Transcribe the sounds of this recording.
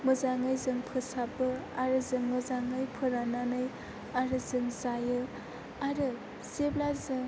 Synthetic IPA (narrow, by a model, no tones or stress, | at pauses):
mɯzaŋajzɯŋpʰɯsabɯaɾɯzɯŋmɯzaŋɯjpʰɯɾananɯj | aɾɯzɯŋzajɯ | aɾɯ | zeblazɯ